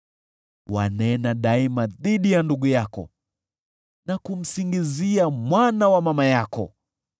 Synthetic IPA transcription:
wanɛnaɗaimaðiɗijanduɠujakɔ̰ | nakum̩siŋɡiziamwanawamamajakɔ̰

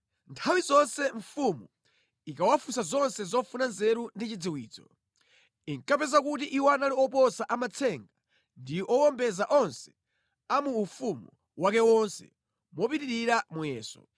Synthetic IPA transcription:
ntʰawizɔnsɛɱfumu | ikawafusazɔnsɛzɔfunanzɛɾundit͡ʃid͡ziwiːd͡zɔ | iŋkapɛzak̬ut̬iʔiwanaliɔpɔsaʔamat͡sʰɛŋɡa | ndiʔɔwɔmbɛzaʔɔnsɛ̥ | amuːfumu | wakɛwɔnsɛ̰ | mwɔpiɾiɾiɾamujɛːsɔ̰

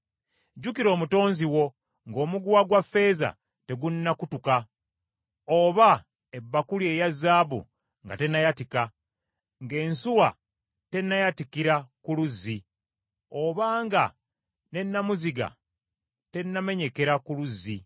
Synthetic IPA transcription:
ɟukiɾo̞ːmuto̞ːnziwo̞ | ŋɡo̞ːmuɡuwaɡwafːe̞ːza̰ | te̞ɡunːakutuka | oβa | e̞bːakulje̞ːjazːaːβṵ | ŋɡa̰te̞nːajatika | ŋɡe̞ːnsuwa | te̞nːajatikiɾakuluzːi | o̞βaːŋɡa | ne̞nːamuziɡa̰ | te̞nːame̞ɲe̞ke̞ɾakuluzːi

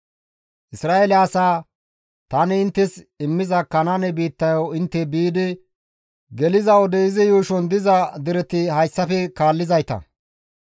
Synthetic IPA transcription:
ʔɪsɾaːelɪasaː | t̪ɐnɪɪnt̪ːɛs | ɪmːɪzɐkːɐnanɛbiːt̪ːɐjowɪnt̪ːɛbiːd̪ɪ | ɡɛlɪzɐɔd̪ɛɪzɪjuːʃɔnd̪ɪzɐd̪ɪɾɛt̪ɪhɐjsːɐfɛkaːlːɪzɐjt̪ɐ̰

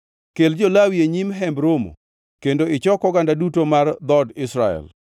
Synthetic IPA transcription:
keld͡ʒolawieɲimɦɛmbɾomo̰ | kendoɪt͡ʃɔkɔɡandadutomard̪ɔdɪsɾaɛ̰l

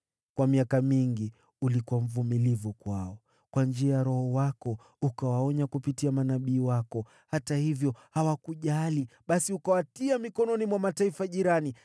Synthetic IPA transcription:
kwamiakamiŋɡi | ulikuwam̩vumilivukwaɔ | kwand͡ʒiajaɾɔhɔwakɔ | ukawaɔɲakupitiamanaɓiːwakɔ | hatahivjɔhawakuʄaliɓasiukawatiamikɔnɔnimwamataifaʄiɾani

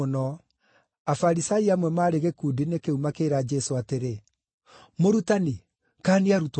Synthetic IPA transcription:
onɔ | afaɾisaiamwɛmaːɾeɣekuːdinekeumakeɾad͡ʒɛsoateɾe | moɾutani | kaniaɾut

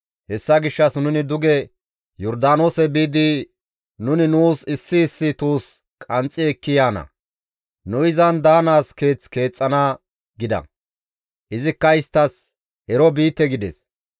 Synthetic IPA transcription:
hɛsːɐɡɪʃːɐsnʊnɪd̪ʊɡɛ | jɔɾd̪aːnosɛbiːd̪ɪ | nʊnɪnuːsɪsːɪːsːɪt̪uːs | kʼɐnt͡sʼːɪɛkːɪjaːnɐ̰ | nʊɪzɐnd̪aːnaːske̞ːt͡ske̞ːt͡sʼːɐna | ɡɪd̪ɐ̰ | ʔɪzɪkːɐɪst̪ːɐs | ɛɾɔbiːt̪ːɛɡɪd̪ɛs

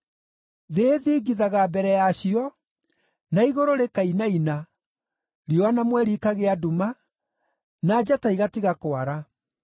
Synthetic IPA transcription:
ðeðiːɡiðaɣabɛɾɛjaɕiɔ | naiɣoɾoɾekainaina | ɾiɔanamwɛɾikaɣeaduma | nad͡ʑataiɣatiɣakoaɾa

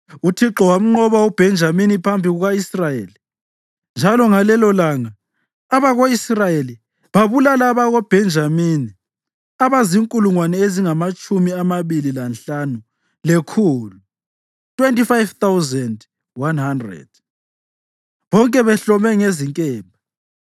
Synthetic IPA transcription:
utʰiǁɔwam̩ŋ͡ǃɔβawub̥ʱɛnd͡ʒʱaminipʰambʱiɣuɣaisrajeli | nd͡ʒʱalɔŋalɛlɔlaːŋaː | βaɣoisrajeli | βaβulalaβaɣob̥ʱɛnd͡ʒʱamini | aβaziŋkʼuluŋwanɛeziŋamat͡ʃʼumiamaβililanɬanu | lekʰuːlu | tʰwentʼifajvt̪awzɛnd | wanhandrɛ̰d̥ | βɔŋkʼɛβɛɬɔmɛŋeziŋkʼɛːmbʱa

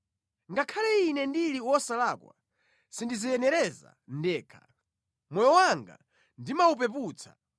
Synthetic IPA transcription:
ŋɡakʰalɛinɛndiliwɔsalaːkwa̰ | sindizijɛnɛɾɛza̰ndɛːkʰḁ | mɔjɔwaŋɡa̰ | ndimaup̬ɛp̬uːt͡sʰḁ

